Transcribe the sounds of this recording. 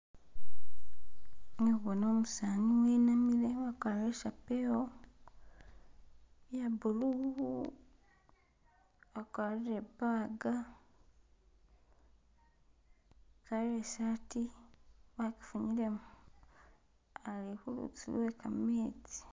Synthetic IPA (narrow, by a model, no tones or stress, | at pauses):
neβono̞ːmusaːniweːnamiɾewakwaːɾeʃapeo | jabuluu | akwaːɾiɾebaːɡa | kaɾesati | βaki̥fuɲilem | alekulṵt͡sḭlwekameːt͡si̥